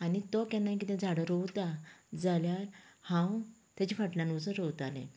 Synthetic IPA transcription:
anit̪ɔkãnːaik̬it̪ɛ̃d͡zʱaɽəɾɔwt̪ad͡zaljaɾhãw | t̪jat͡ɕifaʈlãnut͡səɾəwt̪alḛ̃

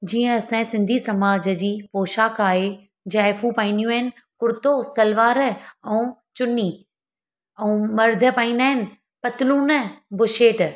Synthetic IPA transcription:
d͡ʑiːə̃ɐsãsɪ̃nd̪ʱisɐmaːd͡ʑəd͡ʑiːpoːʃaːkʰaːɦe | d͡ʑaːɪfũpaːĩnijũaɦɪnɪ̆ | kʊɾt̪osɐlʋaːɾəɛ̃ːt͡ɕʊnːi | ɛ̃ũːmɐɾd̪ʱə̆paːĩːnd̪aːɦɪnɪ̆ | pɐt̪ɪluːnəbʊʃeːʈ

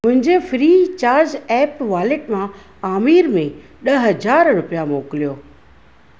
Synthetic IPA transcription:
mʊ̃ɦɪ̃ɲd͡ʑefɾiːt͡ɕaːɾd͡ʑɛːpʋaːleʈmã | aːmiːɾmẽ | ɗɐɦəd͡ʑaːɾɾʊpijamoːkɪlijoː

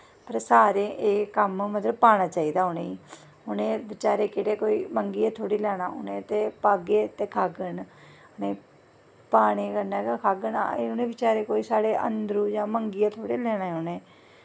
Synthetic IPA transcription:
pəɾsaːɾeːʔeːkəmmət̪ləb̚paːɽ̃aːt͡ʃaːiːd̪aːʊneːiː | ʊnẽːʋɪt͡ʃaːɾeːkɪɽeːkoːiːməŋɡijaːt̪ʰoːɽiːlɛːɽaːʊ̰nẽːt̪eːpaːɡeːt̪eːkʰaːɡən | ʊnẽː | paːɽ̃eːkəɾnaːɡakʰaːɡəna̰ʊnẽːʋɪt͡ʃaːɾeːkoːiːsaːɽeːʔə̰nd̪ɾũːd͡ʒãːməŋɡiːaːt̪ʰoːɽeːlɛːɽaːɦʊnẽː

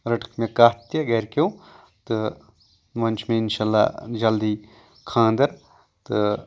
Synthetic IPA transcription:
ɾɐʈʰə̥kmẽkaːt̪jɐɡeːɾkeũ | t̪ɨ | mɐnt͡ʃmẽɪnʃaːlːa̰ːd͡ʒɐld̪iː | kʰãːnd̪ɐɾ | t̪ɨ

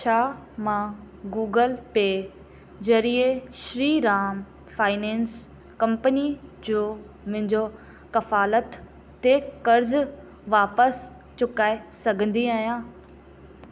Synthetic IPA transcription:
t͡ɕʰaː | mã | ɡuːɡəlpeː | zɐɾieʃɾiːɾaːm | faːɪnɛ̃ːns | kɐ̃mpənid͡ʑoː | mʊ̃ɦɪ̃ɲd͡ʑo | kɐfaːlət̪ː | ekɐɾz | ʋaːpəs | t͡ɕʊkaːesɐɡʱə̃nd̪iaːɦijãː

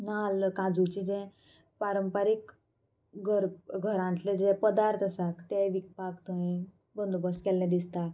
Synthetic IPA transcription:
nalkãd͡zut͡ɕid͡ʑɛ̃ | paɾəmpəɾik | ɡʱəɾɡʱəɾãnt̪led͡ʑɛ̃pəd̪aɾt̪asakt̪ɛʋik̚pakt̪uĩ | bənd̪obəskɛlːɛ̃d̪ist̪a

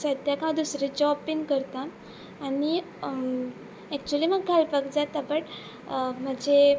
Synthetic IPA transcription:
səd̪jakãd̪usɾed͡ʑɔpiŋkəɾt̪aː | ni | ɛk̚t͡ɕualiməɡkʰalpakd͡zat̪ːapəʈ | m̤əd͡ʑe

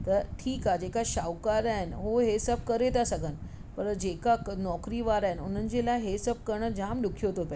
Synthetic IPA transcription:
t̪əɾʈʰiːkad͡ʑekaɕawkaɾaenɦoɦesəb̚ʱkəɾet̪asəɡʱən | pəɾd͡ʑekanɔkɾiʋaɾaenun̤ənd͡ʑelaɦesəb̚kəɾɳəd͡ʑamɖukʰːjoɦt̪opɛ

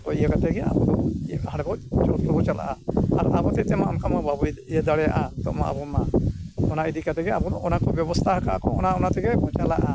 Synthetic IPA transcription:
pɔijakat̪ɛɡɛa̰bɔd̪ɔɦaɽɛbɔt͡ʃɔt̪ʰɾɔbɔt͡ʃala̰ʔaaɾabɔt̪ɛt̪ɛmaɔmkamababuɛd̪aɽɛja̰ʔat̪ɔ̰ʔma̰ʔa̰bɔmaɔnaid̪ikat̪ɛɡɛabɔd̪ɔʔɔnakɔbjɔbɔst̪ʰaɦakaʔa̰kɔɔnaɔnat̪ɛɡɛbɔt͡ʃalaʔa

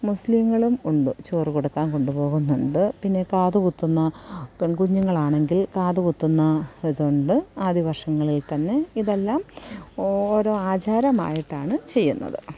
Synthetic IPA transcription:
muslimːɐɭumuɳɖɨt͡ɕoːrikoɽukːaːnko̞ɳɖupo̞ːɣunːuɳɖɨpinːe̞kaːðukut̪ːunːɐkɳkuɲːuŋːɐɭaːɳe̞ŋɡilkaːðukut̪ːunːɐiðuɳɖɨaːd̪ʱiʋɐrʂɐŋːɐɭilt̪ɐnːe̞iðe̞lːaːm | oːɾo̞ːaːd͡ʑaːɾɐma̰ːjiʈːaːɳɨt͡ɕe̞jːunːɐ̰ðɨ̰

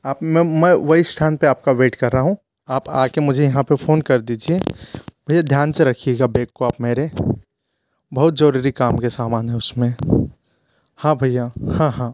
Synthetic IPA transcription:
aːpmɛ̃mɛ̃ʋɐɦisʈʰaːnpeaːp̚kaʋeːʈkɐɾːaɦũ | aːpa̰ːkemʊd͡ʒʱejɐɦãpɐpʰoːnkɐɾd̪iːd͡ʒiebʱɐjːad̪ʱjaːnseɾɐkʰijeɡabeːkːoaːpmeːɾe | bɐɦʊt̪zɐɾuɾikaːmkesaːmaːnɦɛʊsmẽ | hãːbʱəjːahãɦãː

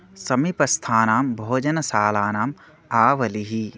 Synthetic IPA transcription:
sɐmipɐst̪ʰaːnaːmbʱoːd͡ʒɐnɐsaːlaːnaːm | aːʋɐliɦi

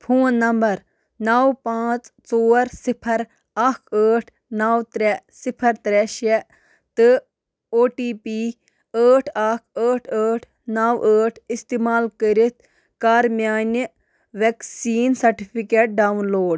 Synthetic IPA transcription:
pʰuːnːɐmbɐɾ | nawpãːt͡st͡soːɾsipʰɐɾ | akʰəːʈʰ | naːwt̪ɾɛsipʰɐɾt̪ɾɛʃɛ | t̪ɨ | oːʈiːpiː | əːʈʰaːkʰəːʈʰəːʈʰ | naːwəːʈʰist̪iːmaːlkəɾit̪̚ʰ | kaːɾmʲjaːn | ʋeksiːnsɐɾʈipʰikeːʈ̚ɖaːwnloːɖ

